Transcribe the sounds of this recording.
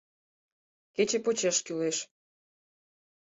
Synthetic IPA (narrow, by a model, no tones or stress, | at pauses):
ket͡ɕepot͡ɕeʃkyleʃ